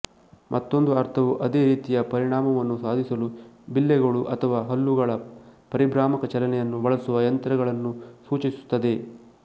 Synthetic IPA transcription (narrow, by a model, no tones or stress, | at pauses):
mʔɐt̪ːo̞nd̪uɐɾt̪ʰɐʋuʔɐd̪eːɾiːt̪ijɐpɐɾiɳaːmɐʋɐnːusaːd̪ʱisɐlubilːɛɡɐɭuʔɐt̪ʰɐʋaːɦɐlːuɡɐɭɐpɐɾibɾaːmɐkɐt͡ʃɐlɐnɛjɐnːubɐɭɐsuʋɐjɐnt̪ɾɐɣɐɭɐnːusuːt͡ʃisu̥t̪ːɐd̪e̞